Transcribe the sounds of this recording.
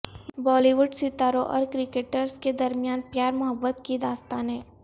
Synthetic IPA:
bɔːliʋʊɖsɪt̪aːɾoʔɔ̰ːɾkɾɪkeːʈəɾsked̪ɐɾmijaːnpjaːɾmʊɦəbːət̪kid̪aːst̪aːnɦɛː

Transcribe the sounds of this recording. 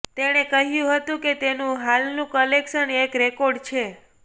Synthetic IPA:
t̪eɽ̃ekəɦjũɦət̪ũket̪enũɦalnũkəlekʃənekɾekoɾɖt͡ʃʰe

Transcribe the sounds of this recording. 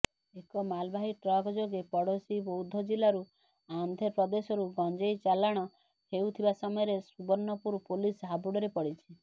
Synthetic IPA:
ekɔmalbʱaɦiʈɾɔɡɔd͡ʒoɡepɔɽosibowd̪ʱɔd͡ʒilaɾu | and̪ʱepɾɔd̪esɔɾuɡɔnd͡ʒejt͡ʃalaɽ̃ɔ | hewt̪ʰibasɔmɔjɔɾesubɔɾnɔpuɾpulisɦabuɽɔɾepɔɽit͡ʃʰi

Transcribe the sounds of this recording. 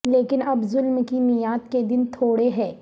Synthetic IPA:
leːkɪnɐbzʊlmkinɪjaːt̪ked̪ɪnt̪ʰoːɽeɦɛː

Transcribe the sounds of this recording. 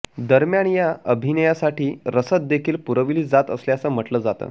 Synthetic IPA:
d̪əɾmjaɳjaəbʱinəjasaʈiːɾəsət̪̚d̪ekʰiːlpuɾəʋiliːd͡zat̪əsljasəm̤əʈləːd͡zat̪ə̰

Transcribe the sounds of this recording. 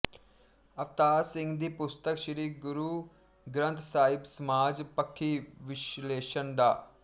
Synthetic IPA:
əpt̪aːɾsɪ̃ŋɡd̪iːpʊst̪əkʃəɾiːɡʊɾuː | ɡɾə̃nt̪ʰsaːɪbsəmaːd͡ʒpəkʰːiːʋɪʃleːʃənd̪aː

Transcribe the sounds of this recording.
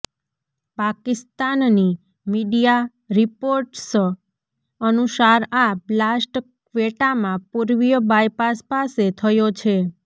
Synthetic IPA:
pakist̪anni | miɖija | ɾipoɾʈs | ənusaɾablasʈ | ʋeʈamãpuɾʋijəbajpaspaset̪ʰəjot͡ʃʰe

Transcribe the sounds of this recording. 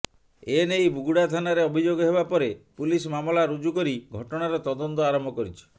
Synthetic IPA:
enejbuɡuɽat̪ʰanaɾeɔbʱid͡ʒoɡɔɦebapɔɾepulismamɔlaɾud͡ʒukɔɾiɡʱɔʈɔɽ̃aɾɔt̪ɔd̪ɔnt̪ɔaɾɔmbʱɔkɔɾit͡ʃʰɔ̥

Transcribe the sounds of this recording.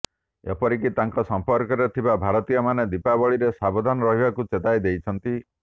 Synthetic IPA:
ḛpɔɾikit̪aŋkɔsɔmpɔɾkɔɾet̪ʰibabʱaɾɔt̪ijɔmaned̪ipabɔɭiɾesabɔd̪ʱanɔɾɔɦibakut͡ʃet̪ajd̪ejt͡ʃʰɔnt̪i

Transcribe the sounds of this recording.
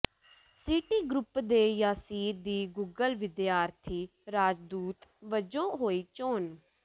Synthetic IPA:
siːʈiːɡɾʊpd̪eːjaːsiːɾd̪iːɡuːɡəlʋɪd̪ɪjaːɾt̪ʰiː | ɾaːd͡ʒd̪uːt̪ʋəd͡ʒõːɦoːiːt͡ʃoːn

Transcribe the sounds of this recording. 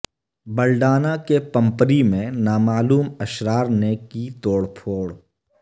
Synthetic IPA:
bəlɖaːnakepɐ̃mpəɾimẽnaːmaːluːməʃɾaːɾnekit̪oːɽpʰoːɽ

